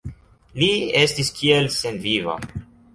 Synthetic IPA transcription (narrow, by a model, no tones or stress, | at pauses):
liestiskʰielsenviva̰